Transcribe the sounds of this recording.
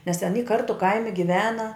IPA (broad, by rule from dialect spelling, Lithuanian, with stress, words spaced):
nʲɛs tʲɛn iː ˈkɐrtʊ ˈkɐɪmʲɪ ɡʲɪˈʋʲæːnɐ